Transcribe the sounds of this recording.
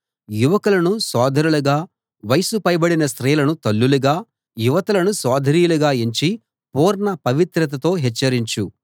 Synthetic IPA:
juʋɐkɐlɐnusɔːd̪ʱɐɾuluɡaː | ʋɐjsupɐjbɐɽinɐst̪ɾɐjɐlɐnut̪ɐlːuluɡaː | juʋɐt̪ɐlɐnusɔːd̪ʱɐɾiːjuluɡaːeɲt͡ʃi | puːɾɳɐpɐʋit̪ɾɐt̪̬ɐt̪o̞ːɦɛt͡ʃːɐɾiɲt͡ʃu

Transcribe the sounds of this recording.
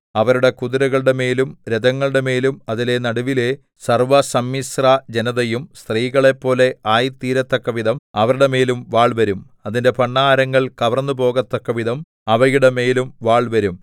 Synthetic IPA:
ɐʋɐɾuɽe̞kuðuɾɐɣɐɭɨɽe̞me̞ːlumɾed̪ɐŋːɐɭɨɽe̞me̞ːlumɐðile̞nɐɽuʋile̞ | sɐrʋɐsɐmːisrad͡ʑenɐðɐjumst̪riːɣɐɭe̞pːo̞ːle̞aːjit̪ːiːɾɐt̪ːɐkːɐʋiðɐmɐʋɐɾuɽe̞me̞ːlumʋaːɭʋɐɾum | ɐðinde̞pɐɳːaːɾɐŋːɐɭkɐʋɐrnːupo̞ːɣɐt̪ːɐkːɐʋiðɐm | ɐʋɐjuɽeme̞ːlumʋaːɭʋɐɾum

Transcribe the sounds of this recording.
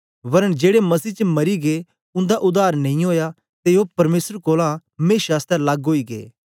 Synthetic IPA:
ʋɐɾəɽ̃d͡ʒeːɽemɐsiːt͡ʃmɐɾiɡe | ʊ̃nd̪aʔʊd̪aːɾnɐ̃ĩɦoːja | t̪eɦopɐɾmeːsəɾkoːlãmẽːʃaːst̪ɛlɐɡɦoːiɡḛː

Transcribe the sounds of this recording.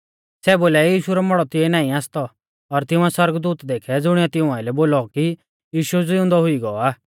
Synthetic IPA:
sɛboːljajiːʃuɾɔmɔɽɔt̪ɪɛnaːĩaːst̪ɔ | ɔɾt̪ɪʊ̃ɛswɔɾɡd̪uːt̪d̪eːkʰɛd͡zʊɽ̃iɔt̪ɪʊ̃ãːɪlɛboːlɔki | jiːʃud͡zɪʊ̃nd̪ɔɦʊiɡɔɔaː

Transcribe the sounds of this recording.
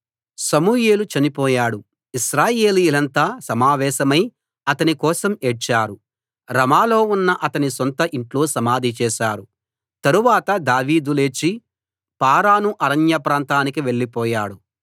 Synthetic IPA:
sɐmuːje̞ːlut͡ʃɐnipɔːjaːɽu | iʃɾaːje̞ːlijulɐnt̪aːsɐmaːʋɛːʃɐmɐj | ɐt̪ɐnikɔːsɐmet͡ʃaːɾu | ɾɐmaːlo̞ːunːɐʔɐt̪ɐnisont̪ɐʔiɳʈlo̞ːsɐmaːd̪ʱit͡ʃɛːʃaːɾu | t̪ɐɾuʋaːt̪ɐd̪aːʋiːd̪ule̞ːt͡ʃːi | paːɾaːnuʔɐɾɐnjɐpɾaːnt̪aːnikiʋe̞ɭːipɔːjaːɽu

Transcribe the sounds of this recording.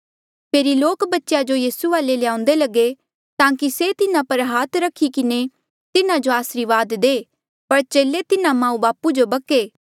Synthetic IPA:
pʰeːɾiloːkbɐtːʃjad͡ʒojiːsuʋaːlelɪjãːʊ̃n̆d̪elɐɡe | t̪ãːkiset̪ɪnãpɐɾɦaːt̪ʰɾɐkʰːikɪne | t̪ɪnãd͡ʒoaːsɾiʋaːd̪d̪eː | pɐɾt͡ʃeːlet̪ɪnãmãːũbaːpud͡ʒobɐkeː

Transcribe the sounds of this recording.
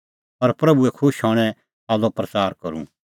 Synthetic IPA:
pɐɾpɾɐbuɛkʰʊʃɦɔːɽ̃ɛ̃ | aːlopɾɐt͡saːɾkɐɾṵ̃

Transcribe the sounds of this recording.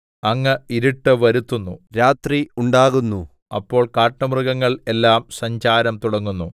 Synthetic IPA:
ɐŋːɐiɾiʈːɨʋɐɾut̪ːunːuɾaːt̪riuɳɖaːɣunːu | ɐpːo̞ːɭkaːʈːɐmrɨɣɐŋːɐɭe̞lːaːmsɐɲd͡ʑaːɾɐmt̪uɽɐŋːunːu

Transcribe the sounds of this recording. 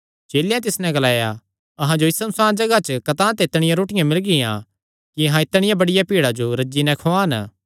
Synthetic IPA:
t͡ʃeːljãt̪̬ɪsnɛ̃ɡɐlaːja | ɐɦãd͡ʒoɪsɐnʊsaːd͡ʒɐɡat͡ʃkɐt̪ãːt̪ɛɪt̪ɽ̃ɪjãɾoːʈɪjãmɪlɡɪjã̰ | kiɐɦãɪt̪ɽ̃ɪjãbɐɽɪjapiːɽad͡ʒoɾɐd͡ʒːinɛ̃kʰoaːn

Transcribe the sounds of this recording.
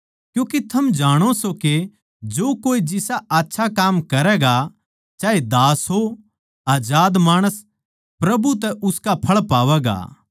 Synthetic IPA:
kjũːket̪ʰɐmd͡ʒaːɽ̃osoke | d͡ʒoːkoːid͡ʒɪsaaːtːʃʰakaːmkɐɾɛːɡa | t͡ʃaːed̪aːsɦo | aːd͡ʒaːd̪maːɽ̃əs | pɾɐbut̪ɛʊskapʰɐɭpaːʋɛːɡa̰ː

